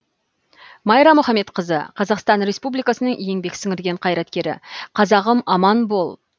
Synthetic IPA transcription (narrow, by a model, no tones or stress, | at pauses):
mɑjɾɑmʊχɑme̞t̪qəzə̰qʰɑzɑqst̪ɑnɾe̞spublijkɑsənəŋʔje̞ŋbe̞ksɪŋɪɾɡʲe̞ɴqʰɑjɾɑt̪kʲe̞ɾɪ̰qʰɑzɑʁəmɑmɑnbolˠ